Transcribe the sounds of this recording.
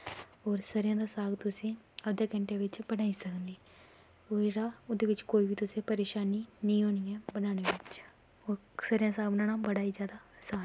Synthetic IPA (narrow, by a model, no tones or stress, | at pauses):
oːɾsəɾjãːd̪aːsaːɡt̪ʊsẽː | əd̪jaːkə̃ɳʈeːʋɪt͡ʃbənaːisəkniː | oɾaːʊd̪eːʋɪt͡ʃkoːiːbiːt̪ʊsẽːpəɾeːʃaːninĩɦoːniɛbənaːneʋɪt͡ʃ | oː | səɾjãːsaːɡ̚bənaːnaːbəɽaːiːzjaːd̪aːsaːn